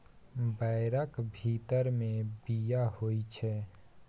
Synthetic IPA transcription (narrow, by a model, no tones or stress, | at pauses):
bəɪɾəkbʱit̪əɾmẽbijahoit͡ʃʰɛː